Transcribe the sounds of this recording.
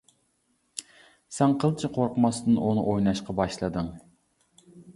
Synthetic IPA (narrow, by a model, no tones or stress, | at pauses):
sɛŋqʰəlˠt͡ʃʰiqʰoɾqəmɑsd̪ɨnʔunɨ̰ʔojnɑʃqɑbɑʃlˠɨd̪ɨŋ